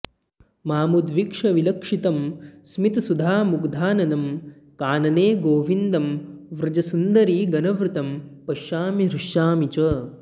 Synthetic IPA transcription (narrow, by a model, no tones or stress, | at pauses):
maːmud̪ʋikʂɐʋilɐkʂit̪ɐmsmit̪ɐsud̪ʱaːmuɡd̪ʱaːnɐnɐm | kaːnɐneːɡoːʋind̪ɐmʋɾɐd͡ʒɐsund̪ɐɾiːɡɐnɐʋɾut̪ɐmpɐʃaːmiɾuʃjaːmit͡ʃɐː